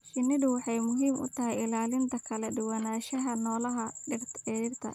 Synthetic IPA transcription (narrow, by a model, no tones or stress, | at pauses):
ʃɪnɪdʊwɑħɑjmʊɦiːmʊ̰t̪ʰɐɦɛjɪlaːlɪnt̪ʰɐkʰɐlɛɖɪwɑnaːʃɐɦɐnɔːlɐɦɐɖɪrt̪ʕɛɖɪrt̪ʰɐ̰